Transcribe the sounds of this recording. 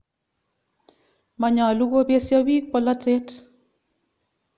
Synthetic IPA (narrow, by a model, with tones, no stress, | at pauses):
ma˨ɲa˨lu˦ɡo˦pje˦sja˦wi˦k̚pɔ˦˨la˦tʰe˦t